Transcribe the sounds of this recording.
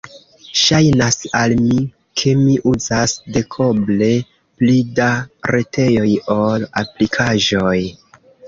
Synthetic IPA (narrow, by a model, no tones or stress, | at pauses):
ʃajnasalmi | kʰe̞miʔuzasde̞kʰoble̞ | plidaɾʔe̞tʰe̞jo̞jo̞la̰plikʰaʒo̞j